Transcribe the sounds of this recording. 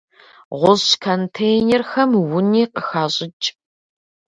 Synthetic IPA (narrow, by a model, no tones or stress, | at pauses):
ʁʷʊɕkʰɐntʰejnɛrxɐmwʊniːqəxaːɕʼɪt͡ʃʼ